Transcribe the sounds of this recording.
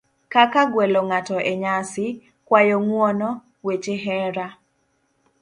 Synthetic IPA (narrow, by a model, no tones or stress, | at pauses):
kakaɡwɛlɔŋatɔʔeɲasɪ | kwajɔŋwɔnɔ | wet͡ʃeɦɛɾa